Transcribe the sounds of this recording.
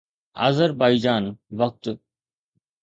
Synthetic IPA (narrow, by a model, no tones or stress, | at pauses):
ɐ̰zəɾbaːid͡ʒaːnʋɐk̚t̪